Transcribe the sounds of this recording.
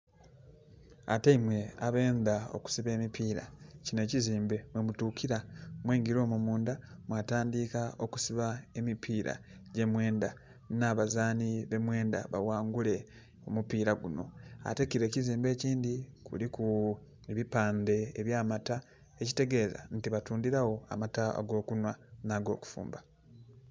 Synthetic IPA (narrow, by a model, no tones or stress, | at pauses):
a̰teimwe̞aβe̞ːndao̞̰ku̥siβe̞ːmipiːɾa̰cine̞ciziːmbe̞mwe̞mutuːkʰiɾamweːŋɡiɾo̞ːmumuːndamwaːtaːndiːkao̞ku̥siβae̞mipʰiːɾʔa̰ɟe̞mwe̞ːnda | naβazaːniβe̞mwe̞ːnda̰βa̰waːŋɡule̞ | o̞mupiːɾaɡuno̞̰a̰te̞kiɾe̞ːciziːmbe̞ːciːndikʰuliku | eβipaːnde̞ːβjaːmata | eci̥te̞ɡe̞ːza̰n̩tiβatuːndiɾawo̞a̰mata̰ɡo̞ːkunwanaːɡo̞ːku̥fṵːmba